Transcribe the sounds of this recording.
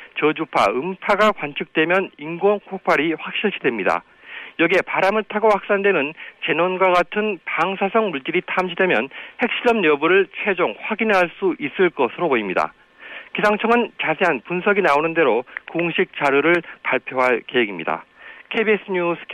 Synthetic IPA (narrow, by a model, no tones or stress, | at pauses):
t͡ɕʌd͡ʑupʰaɯmpʰaɡakwant͡ɕʰɯk̚t͈we̞mjʌniŋɡʌnkʰok̚p͈ʰaɾiɸwak̚ɕ͈iɭɕʰidwe̞mɲida̰ | jʌɡie̞paɾamɯɭtʰaɡoɸwak̚s͈andwenɯnt͡ɕe̞nonɡwaɡatʰɯnpaŋsʰasʰʌŋmuɭt͡ɕ͈iɾitʰamɕʰide̞mjʌnhe̞k̚ɕ͈iɾʌmɲʌbuɾɯɭt͡ɕʰwe̞d͡ʑoŋɸwaɡinɦaɭs͈uʔis͈ɯɭk͈ʌsʰɯɾoboimɲida̰ | kisʰaŋt͡ɕʰʌŋɯnt͡ɕasʰeɦanpunsʰʌɡinaonɯnde̞ɾokoŋɕʰik̚t͡ɕ͈aɾjuɾɯɭpaɭpʰjoɦaɭke̞ɦeɡimɲḭda̰kʰebies͈ɯɲusʰ